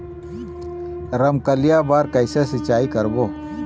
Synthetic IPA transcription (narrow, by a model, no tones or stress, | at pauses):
ɾəmkəlɪjabaːɾkəɪsesɪt͡ʃaːikəɾboː